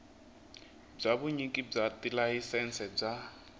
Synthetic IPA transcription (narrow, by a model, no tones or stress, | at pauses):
b͡ʐaβuɲikʼib͡ʐatʼilaɦisɛnsɛb͡ʐa